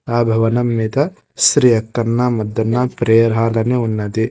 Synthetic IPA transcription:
aːbʱɐʋɐnɐmːit̪ɐ | sɾijɐkːɐnːamɐd̪ːɐnːɐpɾeːɐɾɦaːlɐneunːɐt̪i

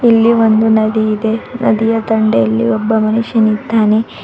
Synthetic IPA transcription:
ilːiʋond̪unɐd̪iːd̪e̞nɐ̰d̪ijɐt̪ɐɳɖeːlːḭɔbːɐmɐnuʂjɐnid̪ːaːne

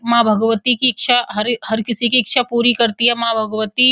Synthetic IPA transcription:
mabʱəɡʋət̪ikikʃʰaɦəɾhəɾkɪsikiːkʃʰapuːɾikəɾt̪iɦɛmabʱəɡʋət̪i

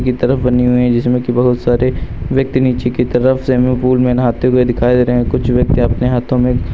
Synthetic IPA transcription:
kit̪ɐɾəfbɐniɦʊiɦɛ̃d͡ʒɪsmẽkibɐɦʊt̪saːɾeʋjɐk̚t̪iniːt͡ʃekit̪ɐɾəfsemẽpuːlmẽnɦaːt̪ʰẽkoid̪ɪkʰaːid̪eːɾɐɦẽkʊt͡ʃʰʋjɐk̚t̪eɐpneɦaːt̪ʰõmẽ

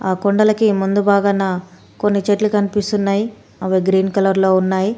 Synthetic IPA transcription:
aːkoɳɖɐlɐkimund̪ubaːɡɐnːaː | ko̞nːit͡ʃeʈlukɐnipist̪unːaːji | ɐʋeɡɾiːnkɐlɐɾlo̞ːunːaːji

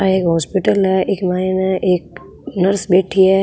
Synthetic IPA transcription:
aeːkɦɔːspɪʈəlɦɛʔeːkmaːinaʔeːk̚ | nɐɾsbeːʈʰiɦɛː

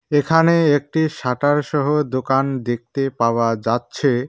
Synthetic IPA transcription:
ekʰaneek̚ʈiʃaʈaɾʃɔɦod̪okand̪ek̚t̪epaoad͡ʑatːɕʰe

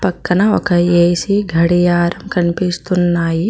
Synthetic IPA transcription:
pɐkːɐnɐokʰɐjeːsiɡʱɐɽijaːɾɐmkɐnpist̪unːaːji

